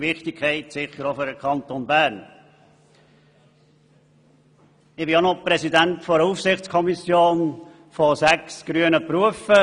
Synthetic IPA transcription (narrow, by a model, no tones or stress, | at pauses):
vɪχtɪkʰɛɪtsɪχːəɾofɔdəkʰɑnt̪onbæːɾn | ɪbɪonopɾɛsidæntfɔɾəufsɪχtt͡skʰɔmisjoːn | fɔsæksɡ̥ɾyənəpɾuəfə